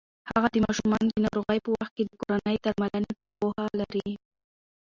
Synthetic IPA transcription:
haɣad̪əmɑʃumɑnd̪ənɑɾoɣajpəwaxt̪̚ked̪əkoɾanəjd̪aɾmalane | pohalaɾi

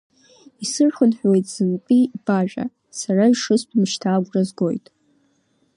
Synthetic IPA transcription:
isɨrχʷʊnħʷᶣwe̞jtʼz̥ɨmpʼib̥aʒᶣʼa̰ | saraiʂɨstʰʼmʃtʰaːɡʷrʼazɡo̞jtʼ

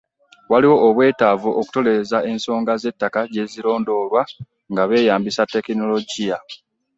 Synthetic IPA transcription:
waliwo̞ʔːβwe̞ːtaːvuʔoku̥to̞le̞ezae̞nso̞ːŋɡaze̞tːakaɟe̞ziɾo̞ːndo̞ːβwa | ŋɡaβe̞ːjaːmbisatːe̞kino̞lo̞ɟija

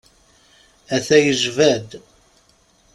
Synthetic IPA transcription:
æθæjəʒvæd̪

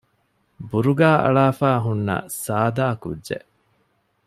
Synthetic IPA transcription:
buɾuɡaːɐ̰ɭaːfaːɦunːɐ̰saːd̪aːkṵdːʒḛʔ

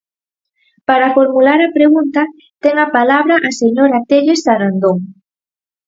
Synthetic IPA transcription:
paɾafoɾmulaɾɐpɾeɣunt̪ɐ | t̪ɛŋɐpalaβɾɐʔaseɲoɾat̪eʎesaɾand̪oŋ

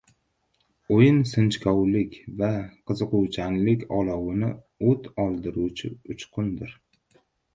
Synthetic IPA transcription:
ojɪnsɨnt͡ʃkʰɒwlɪkʲvaqʰɨzɨqʊwt͡ʃʰanlɪkʲʰɒlˠɒwɪnɪ | ot̪ʰɒlˠd̪ɪɾut͡ʃʰɪʊt͡ʃqʰʊnd̪ɪɾ

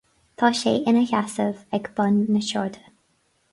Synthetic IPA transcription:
t̪ʰɑːʃeːʔɪnəçasəvɛɡbənːəʃɔɹd̪ə

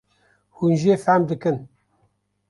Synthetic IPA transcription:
hunʒeːfæmd̪ɨkɨn

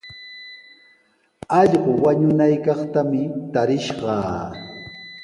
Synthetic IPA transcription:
ɑʎɢʊwaɲʊnajkɑχt̪amɪt̪aɾɪʃɢɑː

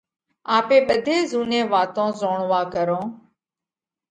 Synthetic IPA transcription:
aːpeːɓəd̪ʱeːzuːnẽːʋaːt̪õːzoːɳʋaːkəɾõː

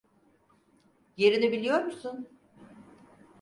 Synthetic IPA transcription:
je̞ɾinibilʲijo̞ɾmuɾsun

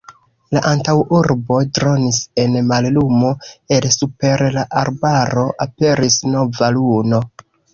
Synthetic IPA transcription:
laʔantawuɾbo̞tɾo̞nise̞nmallumo̞e̞lsupe̞ɾlaʔaɾbaɾo̞ʔape̞ɾisno̞valuno̞

